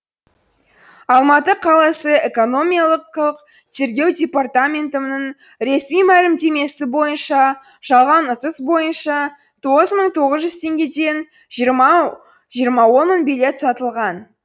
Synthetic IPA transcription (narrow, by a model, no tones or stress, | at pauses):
ɑlˠmɑt̪əqʰɑlˠɑsəe̞ko̞no̞mʲijalˠəqəq | t̪ʰe̞ɾɡʲe̞wd̪ʲe̞part̪amʲe̞nt̪ənəɴ | ɾe̞smijmælɪmd̪e̞me̞sɪbo̞jənʃɑ | ʒ̥ɑlˠʁɑnʊt̪əsbo̞jənʃɑ | t̪ʰo̞ʁəzməɴt̪ʰo̞ʁəzʒʏzt̪ʰe̞ŋɡʲe̞d̪e̞n | ʒɾ | ʒijəɾmɑwo̞nməɴbile̞t̪sɑt̪əlˠʁɑn